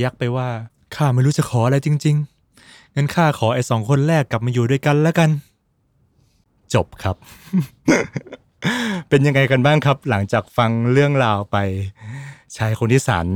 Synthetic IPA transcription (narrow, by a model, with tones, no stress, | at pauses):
ja˦˥k̚pa˧jwaː˥˩ | kʰaː˥˩ma˥˩jɾuː˦˥˩t͡ɕa˨˩kʰɔː˩˦ʔa˧ɾa˧jt͡ɕi˧ŋt͡ɕi˧ŋ | ŋɤ˧nkʰaː˥˩kʰɔː˩˦ʔa˧jsɔː˩˦ŋkʰo˧nɾɛː˥˩kːla˨˩p̚maː˧juː˨˩du˥˩əjka˧nlɛː˦˥ka˧n | t͡ɕo˨˩p̚kʰa˦˥p̚ | pe˧nja˧ŋːa˧jka˧nbaː˥˩ŋkʰa˦˥p̚la˩˦ŋt͡ɕaː˨˩k̚fa˧ŋɾɯ˥˩əŋɾaː˧wpa˧j | t͡ɕʰaː˦˥jkʰo˧nt̪ʰiː˥˩sa̰ː˩˦n